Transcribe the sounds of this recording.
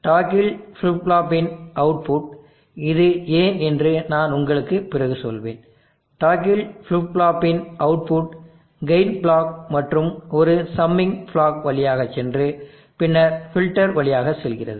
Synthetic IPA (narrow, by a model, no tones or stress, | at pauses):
ʈaːkɪlfʊɭaːpːɪnɐʊʈ̚pʊʈ̚ | ɪðɯeːnɛndrɯnaːnʊŋɡɐɭɯkːɯpːɪrɐɣɯsɔ̰lʋḛːn | ʈaːk̬ɪlflʊbɭaːpːɪnʔɐʊpʊʈ | ɡɐɪnbɭaːk̚mɐʈrɯmɔɾɯsɐmːɪŋfɭaːkʋɐɭɪjaːɣɐt͡ʃːɛndrɯ | pɪnːɐɾfɪlʈːɐɾʋɐɭɪjaːɣɐsɛlɣɪrɐ̰ðɯ